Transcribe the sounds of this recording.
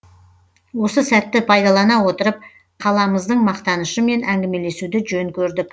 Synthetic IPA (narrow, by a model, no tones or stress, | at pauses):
wo̞səsæt̪ːɪpʰɑjd̪ɑlˠɑnɑwo̞t̪əɾəp̚ | qʰɑlˠɑməzd̪əɴmɑqt̪ɑnəʃəme̞nʔæŋɡʲɪme̞le̞sud̪ɪʒɵŋkʲʰɵɾd̪ɪk